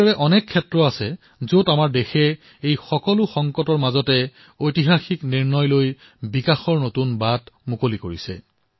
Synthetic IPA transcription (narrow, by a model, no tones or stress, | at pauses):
ɔɹɛʔɔnɛkʰːɛtɹɔasɛ | zotamaɹdexɛ | ejxɔkɔlʊxɔŋkɔtɔɹmazɔtɛ | ojtiɦaxikniɹnɔjloj | bikaxɔɹnotunbatmukolikoɹisɛ̰